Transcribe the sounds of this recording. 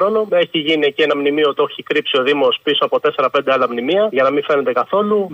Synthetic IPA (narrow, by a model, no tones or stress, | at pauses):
ɾo̞no̞e̞çiʝiniecie̞nɐmnimiot̪ioçikɾipsio̞ðimo̞spiso̞ɐpo̞t̪e̞se̞ɾɐpe̞nd̪ealɐmnimiɐʝɐnɐmife̞ne̞nd̪ekɐθo̞lu